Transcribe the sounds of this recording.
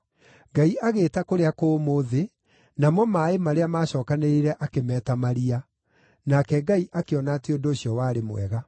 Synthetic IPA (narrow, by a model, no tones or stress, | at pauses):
ɡaiaɣeːtakoɾeakomoːðe | namɔmaemaɾeamaːɕɔːkaneɾiɾɛʔakemɛːtamaɾia | nakɛɡaiʔakeɔnaːteondoːɕiɔwaːɾemwɛ̰ɣa